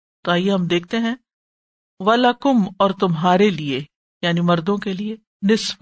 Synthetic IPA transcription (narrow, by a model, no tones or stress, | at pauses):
t̪oaːɦijeɦɐmd̪eːk̚ʰt̪eɦɛ̃ː | ʋɐlɐkʊmɔːɾt̪ʊmɦaːɾelie | jaːnimɐɾd̪õkelie | nɪsb